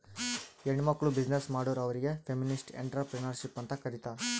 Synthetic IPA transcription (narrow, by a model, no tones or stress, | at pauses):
eɳimɐkɭubid͡ʒnesmaːɽoːɾɐʋɐɾiɡe̞pʰeminisʈḛɳʈɾɐpɾenɐɾʃipːɐnt̪ɐkɐɾit̪a